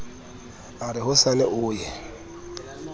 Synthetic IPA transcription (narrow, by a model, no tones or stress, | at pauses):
aɾɪɦʊsanɛʔʊːjɛ